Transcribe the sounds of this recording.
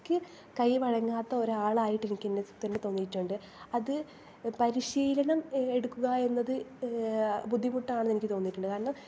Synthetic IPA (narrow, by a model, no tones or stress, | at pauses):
kʲːɨ | kɐjʋɐɻɐŋːaːt̪ːɐo̞ɾuaːɭaːjiʈːenikʲːenːesut̪ːenːɨt̪o̞ːnːijʈːuɳɖɨ | ɐðɨ | pɐɾiɕiːlɐnɐme̞ɽukːuɣɐe̞nːɐðɨ | bud̪ʱːimuʈːɐaːɳɨnenikʲːɨt̪o̞ːnːiʈːuɳɖɨkaːɾɐɳɐm